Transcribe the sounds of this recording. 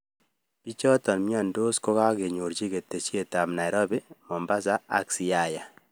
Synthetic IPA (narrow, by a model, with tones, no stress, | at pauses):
pi˦t͡ʃɔ˦tɔ˨nmi˦ɔ˨ndo˦sko˦ka˦ke˨ɲo˨ɾt͡ʃi˦ke˨tːe˨t͡ʃi˦e˨ta˨mna˨ɪ˨ɾɔ˦bɛ˦mɔ˨mba˦s̬a˦a̰˦ksi˨˦a˦˨ja˨